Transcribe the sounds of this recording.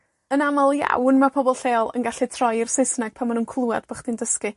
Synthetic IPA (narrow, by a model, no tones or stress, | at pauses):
ənamalˠja̰wnmapʰɔbɔlˠɬeːlˠə̰nɡaɬɨtʰrɔjɪrsɪsnaɡ̥̚pʰanmanunkʰlˠua̰d̥b̥əχd̥ɪndəskɨ